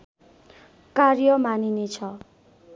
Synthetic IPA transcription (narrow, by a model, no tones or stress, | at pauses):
karjʌmaninet͡sʰʌ